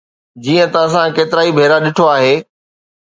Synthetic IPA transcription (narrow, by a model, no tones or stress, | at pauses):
d͡ʑiːə̃t̪ɐɐs̬ãkeːt̪ɪɾaːibʱeːɾaɗɪʈʰoaːɦeː